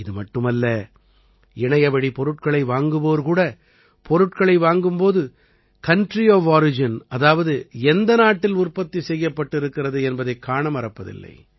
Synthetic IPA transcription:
ɪðɯmɐʈːɯmɐlːɐ | ɪɳɐjɐʋɐɽipɔɾɯʈ̚kɐɭɐɪʋaːŋɡɯʋoːɾkuːɽɐ | pɔɾɯʈkɐɭɐɪʋaːŋɡɯmpoːðɯ | kɐɳʈrioːʋaːɾɪd͡ʒɪnɐðaːʋɐðɯɛnd̪ɐnaːʈːɪlʊrpɐt̪ːisɛjːɐpːɐʈːɪɾɯkːɪrɐðɯɛnbɐðɐɪkːaːɳɐmɐɾɐpːɐðɪ̰lːɐ̰ɪ

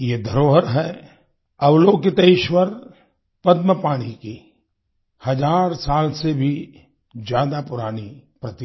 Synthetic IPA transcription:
jed̪ʱəɾoːɦəɾɦɛ | ɐʋloːkɪt̪eɪʃwəɾ | pɐd̪məpaːɽ̃iki | hɐd͡ʒaːɾsaːlsebʱi | d͡ʒjaːd̪apʊɾaːnipɾɐt̪i

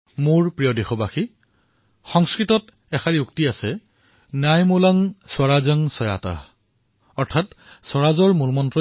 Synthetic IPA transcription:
muɹpɹijɔdexɔbaxi | xɔŋskɹitɔt | ɛxaɹiuktiasɛ | najmolaŋswaɹazəŋsɔja̰ta̰ | ɔɹtʰat | sɔɹazɔɹmulmɔntɹɔ

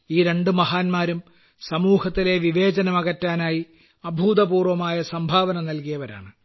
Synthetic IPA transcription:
iːɾe̞ɳɖɨmɐɦaːnmaːɾum | sɐmuːhɐt̪ːile̞ʋiʋe̞ːd͡ʑɐnɐmɐɣɐtːaːnaːji | ɐbʱuːd̪ɐbuːrʋɐmaːjɐsɐmbʱaːʋɐnɐmnɐlkijɐʋɐɾa̰ːɳɨ

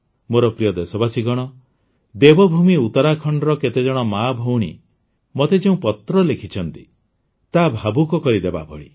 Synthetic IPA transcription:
moɾɔpɾijɔd̪esɔbasiɡɔɽ̃ɔ | d̪ebɔbʱumiut̪ɔɾakʰɔɳɖɾɔket̪ed͡ʒɔɽ̃ɔmabʱowɽ̃ḭ | mot̪ed͡ʒeũpɔt̪ɾɔlekʰit͡ʃʰɔnt̪i | t̪abʱabukɔkɔɾid̪eba̰bʱɔ̰ɭḭ

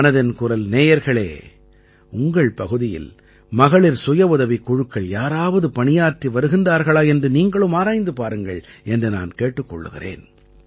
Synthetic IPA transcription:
nɐðɐnkʊrɐlneːjɐɾɣɐɭḛː | ʊŋɡɐɭpɐɣɯðɪjɪ̰l | mɐɣɐɭɪɾsʊjɐʊðɐʋɪkːʊɻɯkːɐɭjaːɾaːʋɐðɯpɐɳɪjaːʈriʋɐɾɯɣɪndaːɾɣɐɭaːɛndrɯniːŋɡɐɭɯmaːɾaːjnd̪ɯpaːɾɯŋɡɐ̰ɭɛndrɯna̰ːnkeːʈːɯkːɔ̰ɭːɯ̰ɣɪ̰rḛːn

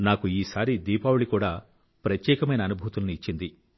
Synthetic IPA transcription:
naːkuiːsaːɾid̪iːpaːwuɭikuːɽaː | pɾɐt̪jɛːkɐmɐjnɐːnubʱuːt̪ulniːt͡ʃːind̪i

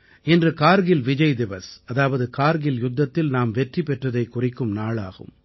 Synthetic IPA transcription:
ɪndrɯkaːɾɣɪlʋɪd͡ʒɐjd̪ɪʋɐsɐðaːʋɐðɯkaːɾɣɪljʊd̪ːɐt̪ːɪlnaːmʋɛʈripɛʈrɐðɐɪkːʊrɪkːɯmnaːɭa̰ːɣɯ̰m

